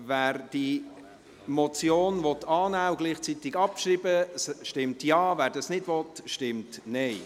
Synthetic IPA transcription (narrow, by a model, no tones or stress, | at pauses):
væːɾd̥i | mɔt͡sjoːnvɔtʰːɑːnæːʊɡliːχt͡sit̪ɪɡɑpʃɾiːbəsʃtɪmtjɑːvæːɾd̥ɑsnɪdvɔtʃtɪmtnɛɪ